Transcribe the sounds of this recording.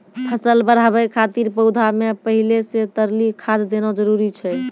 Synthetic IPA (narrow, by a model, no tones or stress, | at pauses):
pʰəsəlbəɾ̤aβɛkʰat̪iɾpəwd̪ʱamepəɦileset̪əɾlikʰad͡ʒd̪enɔd͡ʒəɾuɾit͡ʃʰɛ